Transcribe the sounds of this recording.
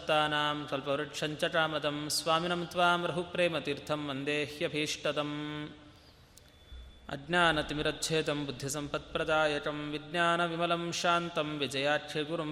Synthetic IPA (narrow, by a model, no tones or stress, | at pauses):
t̪aːnaːmkɐlpɐʋɾɐʈʂɐɲt͡ʃɐʈaːmɐd̪ɐmsʋaːminɐmt̪ʋaːmɾɐɦupɾeːmɐt̪iɾt̪ʰɐmːɐnd̪eːhjɐbʱiːʂʈɐt̪ɐm | ɐ̰ɡnʲaːnɐt̪imiɾɐt̪̚t͡ʃʰeːt̪ɐmbud̪ʱjisɐmpɐt̪̚pɾɐd̪aːjɐʈɐmʋiɡnaːnɐʋimɐlɐmʃaːnt̪ɐmʋid͡ʒɐjaːʈʃʰeɡuɾɐm